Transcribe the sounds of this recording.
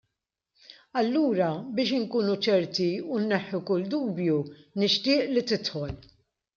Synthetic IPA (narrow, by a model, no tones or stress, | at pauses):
ɐlːuːɾɐbɪːʃɪŋkuːnut͡ʃɛɾt̪iunːɛħːukʊld̪uːbjunɪʃt̪ɪːʔlit̪ɪt̪ħɔl